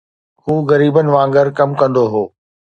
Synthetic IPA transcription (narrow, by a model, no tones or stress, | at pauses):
huːɣɐɾiːbənɪ̆ʋãːŋɡəɾkɐmkɐ̃nd̪oɦoː